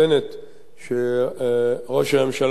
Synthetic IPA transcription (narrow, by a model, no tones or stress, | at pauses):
enet | ʃe | ʁo̞ʃamemʃal